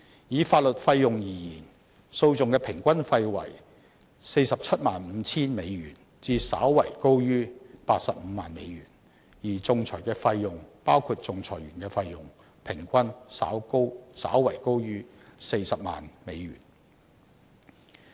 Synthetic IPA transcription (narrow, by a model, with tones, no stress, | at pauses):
jiː˨˧faː˧t̚lɵ˨t̚fɐ˧jːʊ˨ŋjiː˨˩jiː˨˩n | so˧wt͡sʊ˨ŋkɛː˧pʰɪ˨˩ŋkʷɐ˥nfɐ˧jwɐ̰˨˩j | se˧jsɐ˨p̚t͡sʰɐ˥t̚maː˨nm̩ː˨˧˥t͡sʰiː˥nme˨˧jɥyː˨˩n | t͡siː˧sa̰ː˨˥wːɐ˨˩jko˥wjyː˥paː˧t̚sɐ˨p̚m̩ː˨˧maː˨nme˨˧jɥyː˨˩n | jiː˨˩t͡sʊ˨˧ŋt͡sʰɔː˨˩jkɛː˧fɐ˧jːʊ˨ŋpaː˥wkʰuː˧t̚t͡sʊ˨˧ŋt͡sʰɔː˨˩jɥyː˨˩nkɛː˧fɐ˧jːʊ˨˩ŋ | pʰɪ˨˩ŋkʷɐ˥nsa̰ː˨˥wko˥wsa̰ː˨˥wwɐ˨˩jko˥wjyː˥se˧jsɐ˨p̚ma̰ː˨nme˨˧jɥy̰ː˨˩n